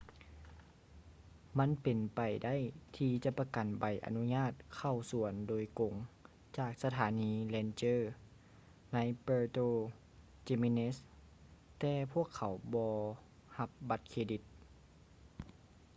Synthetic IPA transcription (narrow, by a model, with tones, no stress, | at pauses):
ma˧˥˨npe˨˩npa˨˩jda˥˨jt̪ʰiː˧t͡ɕa˧˦pa˧ka˨˩nba˨˩jʔa̰˨nu˧˥ɲaː˥˩˨t̪̚kʰa˧˩wsu˨˩˦əndoː˨˦jko˨˦ŋ | t͡ɕaː˧˨˩k̚sa˧t̪ʰaː˨˦niː˧˥lɛː˧nt͡ɕɤː˧˥˩ | na˧˥jpɤː˧t̪oː˧˨ | t͡ɕe˧mi˧ne˧˥s | t̪ɛː˧pʰu˥˩əkʰːa˨˩˦wbɔː˧ | ha˧p̚ba˧˦t̪̚kʰeː˧di˧˥t̪̚